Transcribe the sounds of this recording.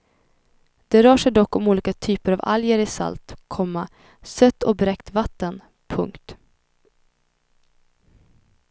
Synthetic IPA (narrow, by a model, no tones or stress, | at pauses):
d̪̥ɛɾœːʂɛjd̪ɔkːɔmuːliːkat̪ʰyːpəɾava̰ljəɾɪsa̰lt̪kʰɔmːa | sœt̪ːɔbɾɛkt̪vat̪ːən | pʰɵ̰ŋkt̪